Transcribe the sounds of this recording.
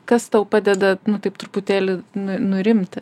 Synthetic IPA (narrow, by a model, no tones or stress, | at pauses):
kɐst̪ɐʊpɑːd̪ʲɛd̪ɐnʊt̪ɐɪpt̪ɾuput̪ʲæːlʲɪnʊnʊɾʲɪmʲt̪ʲ